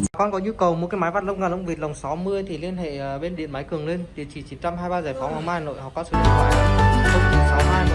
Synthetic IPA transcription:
aː˨˩kɔ˧nkɔ˨˦ɲu˧kə˨˩wmo˨˩t̚ka˨˦ma˨˦jvaː˨˩t̚lə˧wŋ͡mŋaː˨˧˩nlə˧˨wŋ͡mvi˨˩t̚lə˨˩wŋ͡msa˨˦wmɨ˧əjt̪ʰi˨˩li˧ənḛ˧˨ə˨˩ɓe˧nɗḭ˧˨ənma˨˦jkɨ˨˩əŋle˧nɗ̪i˧˨˩t͡ɕi˧˩t͡ɕi˨˦nt͡ɕa˧mɦaː˧jɓaː˧zaː˧˩jfɔ˨˦wha˨˧˦wmaː˧a˧no̰˧˨jhɔ̰˨˩kɔ˨˦sɨ̰˧˩˨ɔ˨˦˧lə˧wŋ͡mki˨˧˩sa˨˦wɦaː˧j

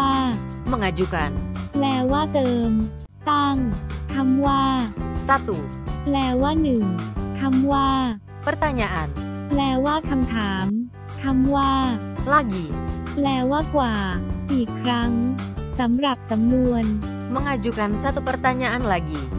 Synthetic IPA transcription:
aː˥˩mə˧ŋa˧d͡ʒu˧ka̰˧nplɛː˧˩waː˥˩t̪ɤː˧m | t̪a˥˩ŋk̪ʰa˧˥mwaː˥˩sa˧t̪u˨plɛː˧waː˥˩nɯ˨˩ŋk̪ʰa˧mwaː˥˩ | pə˧rt̪a˧ɲa˧ʔa˧nplɛː˧waː˥˩kʰa˧mt̪ʰaː˩˦m | k̪ʰa˧˥mwaː˥˩ | la˧ɡi˨plɛː˧waː˥˩kwaː˨˩ʔiː˨˩kʰːɾa˦˥ŋ | sa˩˦mɾa˨˩p̚sa˩˦mːu˧ən | mə˧ŋa˧d͡ʒu˧ka˧nsa˧t̪u˨pə˧rt̪a˧ɲa˧ʔa˧nla˧ɡi˧˨

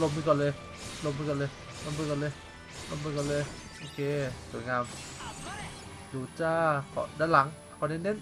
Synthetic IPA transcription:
lo˧mɯ˧kɔ˨lɤː˧j | lo˧mːɯ˧kɔ˧˨ləː˧ | lo˧mːɯ˧kɔ˧˨ləː˧ | lo˧mbɯ˧kɔ˧˨lɤː˧˨j | ʔo˧kʰe˧su˨˩˦ŋaː˧m | du˨˩t͡ɕaː˧kʰɔ̰˧˨daː˧˦la˨˦ŋ | kʰɔ˨˧˨ne˧˨nde˧˥˨n

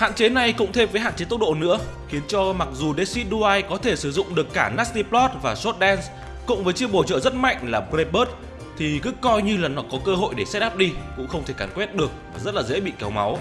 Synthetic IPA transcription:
ha̰ː˧˨nt͡ɕe˨˦na˨˩jkʊ̰˧˥ŋ͡mt̪ʰe˧mvəː˨˦jɦa̰ː˧˨t͡ɕe˨˦t̪ə˦˥w̚ɗo̰˧˨nɨ̰˧˥əxi˨˦ənt͡ɕɔ˧ma˨˩k̚zu˨˩ɗe˨˦˥si˦˥ɗu˧aː˧jkɔ˨˦t̪ʰe˧˩sɨ˧˩zʊ̰˧˨ŋ͡mɗɨ˨˩əkːaː˧˩naː˦˥st̪i˧plɔ˦˥t̚vaː˨˩swɔ˦˥t̚ɗɛ˧ns | kʊ̰˧˥ŋ͡mvəː˨˦jt͡ɕi˧əɓo˧˩t͡ɕə̰ː˧˨zə˦˥t̚ma̰˧˨jŋ̟laː˨˩pɾe˧ɓəː˦˥t̚ | t̪ʰi˨˩kɨ˨˦kɔ˧jɲɨ˧laː˨˩nːɔ˨˦kɔ˨˦kəː˧ɦo̰˧˨jɗe˧˩sɛ˧˦˥ɗaː˦˥p̚ɗi˧kʊ̰˧˥ŋ͡mxə˧wŋ͡mt̪ʰe˧˩kaː˧˩nkwɛ˦˥t̚ɗɨ˨˩ək̚vaː˨˩zə˦˥t̚laː˨˩zḛ˧˥ɓḭ˧˨kɛ˨˦wma˨˦w

